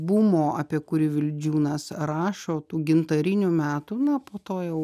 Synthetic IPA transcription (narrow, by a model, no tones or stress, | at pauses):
bumoːʔɐpʲiɛkʊɾʲiʋʲɪlʲd͡ʒʲuːnɐsɾɑːʃoːt̪uːɡʲɪnt̪ɐɾʲɪnʲumʲæːt̪unɐpoːt̪oːjɛʊ